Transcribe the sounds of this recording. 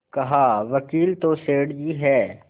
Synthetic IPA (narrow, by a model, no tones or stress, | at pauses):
kɐɦaːʋɐkiːlt̪oseːɽd͡ʒiːɦɛː